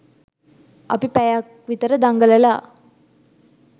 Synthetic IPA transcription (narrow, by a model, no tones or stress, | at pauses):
ɐ̰pipɛjak | ʋit̪əɾəd̪aŋɡəlɐlaː